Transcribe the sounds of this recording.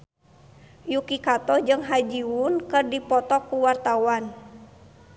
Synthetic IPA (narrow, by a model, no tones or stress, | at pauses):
jukikat̪ɔd͡ʒɨŋɦad͡ʒiunkɨrdipɔt̪ɔkːuwart̪awan